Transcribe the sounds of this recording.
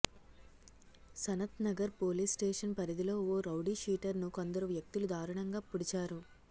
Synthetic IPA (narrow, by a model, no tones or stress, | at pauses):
sɐnɐt̪nɐɡɐɾpo̞ːliːsʈeːʂɐnpɐɾid̪ilo̞ːoːɾɐwɖiʂiːʈɐɾnuko̞nd̪ɐɾuʋjɐk̚t̪ilud̪ʱaːɾɐɳɐŋɡaːpuɽit͡ʃaːɾu